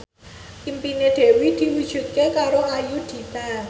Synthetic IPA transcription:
impined̪̥e̤wid̪̥i̤wud̥ʒ̥ṳt̪̚kekaɾoʔajud̪̥i̤ta

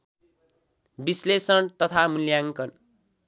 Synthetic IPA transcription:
bislesʌɳt̪ʌt̪ʰamuljaŋkʌn

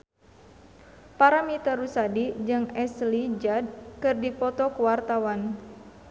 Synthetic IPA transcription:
paɾamit̪əɾusadid͡ʒɨŋɛslid͡ʒad̚kɨrdipɔt̪ɔkəwart̪awan

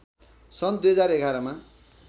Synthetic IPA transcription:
sʌnd̪ujɦʌd͡zaɾeɡʱaɾʌma

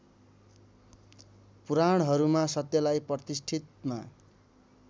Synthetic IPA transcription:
puɾaɽ̃ɦʌɾumasʌt̪jʌlajprʌt̪isʈʰit̪̚ma̰

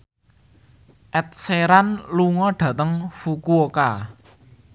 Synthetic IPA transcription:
ʔɛt̪̚seɾanluŋɔɖ̥ä̤t̪əŋfukuoka

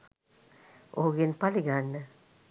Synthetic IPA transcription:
o̰ɡenpaliɡanːə

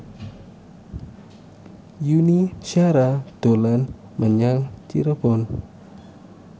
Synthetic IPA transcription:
juniʃaɾatolan | maɲaŋt͡ʃḭɾapon

